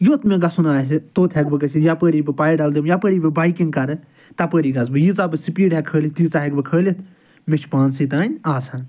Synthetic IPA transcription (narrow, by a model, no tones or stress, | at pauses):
joːt̪mẽːɡɐsunaːst̪oːt̪ʰɛɡbɨɡət͡ʃʰijapəːɾiːbɨpaːiɖald̪imjapəːɾiːbɨbaːikĩŋɡ̚kɐɾ | t̪apəːɾiːɡɐsbɨjit͡sabɨsipiːɖɛkʰəːlʲit̪iːt͡saɦɛɡbɨkʰəːlit̪ʰ | met͡ʃʰpaːnsiːt̪aːnʲaːsãː